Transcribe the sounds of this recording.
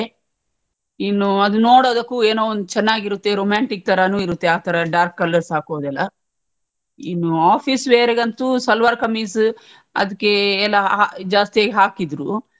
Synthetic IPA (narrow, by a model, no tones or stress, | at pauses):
inːuɐd̪unoːɽoːd̪ɐkːuːeːnoːond̪ut͡ʃɛnːaːɡiɾut̪ːe̞ɾoːmjaːɳʈik̚t̪ʰɐɾɐnuːiɾut̪ːe̞aːt̪ʰɐɾɐɖaːɾkːɐlːɐɾsɦaːkoːd̪ɛlːɐ | inːuaːpʰiːsʋeːɾeɡɐnt̪usɐlʋaːɾkɐmiːs | ɐ̰d̪ɐkːe̞ɛlːɐad͡ʒaːst̪ijaːɡeɦaːkid̪ɾu